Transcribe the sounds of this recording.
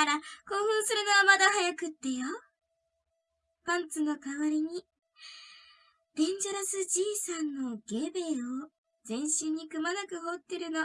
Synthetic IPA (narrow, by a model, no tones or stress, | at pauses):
ɾako̞ːɸɯ̟̃ɰ̃sɨɾɯ̟noβamad̪ahajakɯ̟t̪ːe̞jo | b̥ãnt͡sɨno̞kaβaɾʲiɲ̟i | b̥ẽ̞ɲ̟d͡ʑaɾasɨd͡ʑiːsãnːo̞ɡ̥e̞ːbe̞ːo | zẽ̞ɰ̃ɕɨɲ̟ːikɯ̟manakɯ̟ɦo̞t̪ːeɾɯ̟no̞